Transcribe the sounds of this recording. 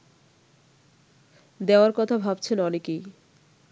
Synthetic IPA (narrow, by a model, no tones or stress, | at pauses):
d̪eoaɾkɔt̪ʰabʱabt͡ɕʰenɔneki